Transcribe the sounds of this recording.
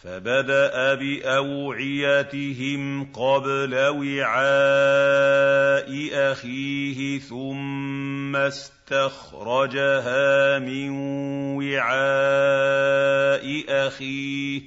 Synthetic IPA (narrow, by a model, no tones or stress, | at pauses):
fa̰bad̪aʔabɪʔawʕɪjat̪ɪɦɪmqɑblawɪʕaː | ʔɪʔaxiːɦɪθʊmmː | as | t̪ax | ɾˤɑd͡ʒaɦaːmɪnwɪʕaː | ʔɪʔaxiː